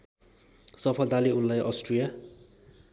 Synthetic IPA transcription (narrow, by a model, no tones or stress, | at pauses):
sʌpʰʌld̪aliunlajʔʌ̰sʈrija